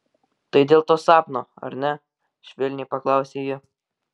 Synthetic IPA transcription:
t̪ɐɪd̪ʲeːlˠt̪oːsɑːpnoːɐ̰ɾʲnʲɛ | ʃʲʋʲɛlʲnʲɪpɐklˠɑˑʊsʲeːjɪ

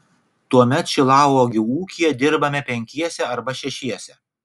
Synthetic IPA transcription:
t̪uɔmʲɛt̪ʃʲɪlˠɑːʋoːɡʲɪuːkʲijɛd̪ʲɪɾbɐmʲɛpʲɛŋʲkʲiɛsʲɛɐɾbɐʃʲɛʃʲiɛsʲɛ

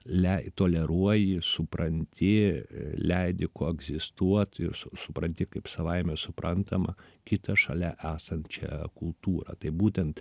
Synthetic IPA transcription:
lʲɛɪt̪oːlʲɛɾuɔjɪsʊprɐnʲt̪ʲɪlʲɛɪd̪ʲɪkoːɛɡzʲɪst̪uɔt̪ɪ̰rsʊsʊpɾɐnʲt̪ʲɪkɐɪpsɐʋɐɪmʲɛsʊpɾɐnt̪ɐmɐ | kʲɪt̪ɐʃɐlʲɛʔæːsɐnʲt͡ʃʲɛ̰kʊlˠt̪uːɾɐ̰ːt̪ɐɪbuːt̪ʲɛnt̪

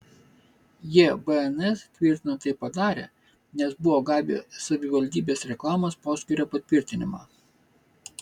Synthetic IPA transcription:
jiɛbɛɛnɛst̪ʲʋʲɪɾʲt̪ʲɪnɐt̪ɐɪpɐd̪ɑːɾʲḛː | nʲɛsbʊʋoːɡɑːbʲḭsɐʋʲɪʋɐlʲd̪ʲiːbʲeːsɾʲɛklˠɑːmɐspɑːsʲkʲuɾʲɛpɐt̪ʲʋʲɪɾʲt̪ʲɪnʲɪmɑ̰ː

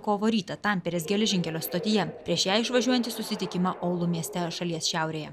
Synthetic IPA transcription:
koːʋoːɾʲiːt̪ɐt̪ɐmʲpʲɛɾʲeːsɡʲɛlʲɛʒʲɪŋʲkʲɛlʲoːst̪ɐt̪ʲɪjɛpʲɾʲiɛʃjæɪɪʃʋɐʒʲuɔjɛnt̪ʲɪsʊsʲɪt̪ʲɪkʲɪmɑːʔoːlˠʊmʲiɛsʲt̪ʲɛʃɐlʲiɛsʃʲæˑʊɾʲeːjɛ̰

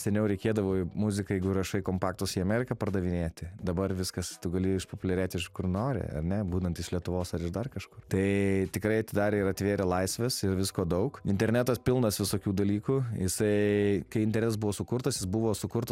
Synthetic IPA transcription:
sʲɛnʲɛʊɾʲɛɪkʲeːd̪ɐʋoːmʊzʲɪkɐjɛɪɡʊɾɐʃɐɪkoːmpɑːk̚t̪osiːɐmʲæːɾʲɪkɐpɐrd̪ɐʋʲɪnʲeːt̪ʲɪd̪ɐbɐrʋʲɪskɐst̪ʊɡɐlʲɪɪʃpopʊlʲɛɾʲæːt̪ʲɪɪʃkʊrnoːɾʲɪ̰ɐ̰rnʲɛbuːd̪ɐnt̪ɪʃlʲiɛt̪ʊʋoːsɐɾɪʃd̪ɐrkɐʃkʊrt̪ɐɪt̪ʲɪkɾɐɪɐt̪ʲɪd̪ɑːɾʲeɪɾɐt̪ʲʋʲeːɾʲɛlˠɐɪsʲʋʲesɪɾʋʲɪskoːd̪ɐʊkɪnʲt̪ʲɛɾʲnʲæt̪ɐspʲɪlˠnɐsʋʲɪsoːkʲuːd̪ɐlʲiːkuːjɪsɐɪkɐɪɪnʲt̪ʲɛɾʲɛsbʊʋoːsʊkʊrt̪ɐsjɪsbʊʋoːsʊkʊɾt̪ɐ

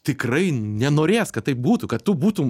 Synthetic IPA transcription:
t̪ʲɪkrɐɪnʲɛnoːɾʲeːskɐt̪tɐɪp̚buːt̪ʊkɐt̪tʊbuːt̪ʊ

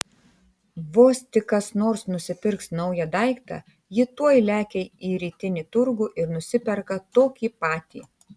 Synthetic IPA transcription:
ʋoːst̪ʲɪkkɐsnoːɾsnʊsʲɪpʲɪɾksnɒʊjɛd̪ɐɪkt̪ɑ̰ | jɪt̪uɔjlʲæːkʲeiːɾʲiːt̪ʲɪnʲɪt̪ʊɾɡuːʔɪɾnʊsʲɪpʲɛɾkɐt̪oːkʲiːpɑːt̪ʲḭː

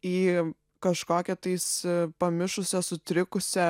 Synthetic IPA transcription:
iː | kɐʃkoːkʲɛt̪ɐɪspɐmʲɪʃʊsʲɛsʊt̪ʲɾʲɪkʊsʲɛ

